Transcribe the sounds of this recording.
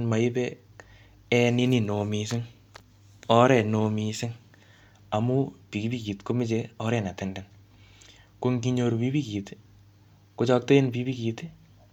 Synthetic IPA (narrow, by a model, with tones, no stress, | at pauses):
nma˨i˦bɛ˦ | ɛni˦ni˨no˨mis̬ɪ˦ŋ | ɔ˦ɾɛ˨nomisɪ˦ŋ | a˨mu˦pi˨ki˦biki˨t̪ko˦mɪ˦t͡ʃeɔ˦ɾɛ˨na˨tɛndɛ˨n | ko˦ŋɡiɲo˧ɾpi˦pi˦kiː˨t | ko˦t͡ʃɔ˦k̚to˦e˦npipi˦ki˨t